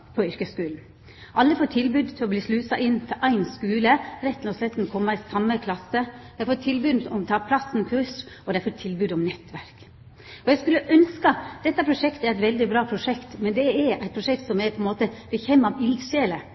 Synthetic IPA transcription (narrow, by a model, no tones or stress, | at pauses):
pʰɔʏɾkəskʉːln̩ | ʔɑlːəfoːʈʰɪlbʉːd̪t̪ʰɪlɔbliːslʉːsɑʔɪnːt̪ʰɪlʔæɪnskʉːləɾɛt̪ːlɔslɛt̪ːn̩kʰɔmːɑɪsɑmːəkʰlɑsəd̪æɪɾfoːʈʰɪlbʉːd̪nɔmt̪ʰɑːpʰlɑsn̩kʰʉʂʔɔd̪ɛæɾfoʈʰɪlbʉːd̪ɔmnɛt̪ʋæɾk | ɔjɛɪskʉlːəʔœnskɑd̪̥ɛt̪ːɑpʰɾʊʂɛkt̪æɾæɪt̪ʋɛld̪ɪbɾɑːpʰɾʊʂɛkt̪mɛnd̪ɛæɾæɪt̪pʰɾʊʂɛk̚t̪sɔmæɾpʰɔɛnmoːt̪əb̥ɛçeːmɑʋɪld̪ʃeːlə